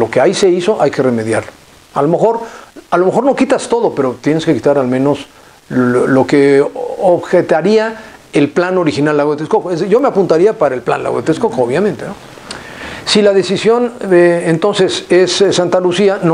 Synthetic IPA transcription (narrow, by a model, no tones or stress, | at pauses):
lo̞keajse̞iso̞ʔajke̞re̞me̞ðjaɾlo | alo̞me̞xo̞ɾalome̞xo̞ɾno̞kit̪ast̪o̞ðo̞pe̞ɾo̞t̪je̞neske̞kit̪aɾalmẽ̞no̞s | lo̞ke̞oβxet̪aɾiaelplano̞ɾixinalːaɣwoet̪eskokoezʝo̞me̞apunt̪aɾiapaɾaelpla̰nla̰ɣwoet̪eskokoβ̞jamẽnt̪e̞no | silaðe̞sisjo̞nent̪o̞nse̞sesːant̪alusian